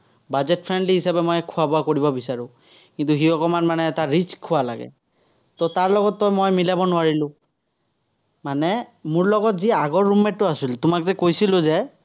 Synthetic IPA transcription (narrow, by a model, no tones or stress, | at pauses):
bazɛtpʰɹɛndliɦisabɛmɔjkʰʊabɔakoɹibɔbisaɹʊ̃ | kintuxiɔkɔmanmanɛːtaɹiskʰːʊwala̰ɡɛ̰ | tɔtaɹlɔɡɔtːɔjmojmilabɔnʊwaɹilʊ̃ | manɛmʊɹlɔɡɔtziaɡɔɹːumɛtːʊasiltʊmakzɛkojsilʊzɛ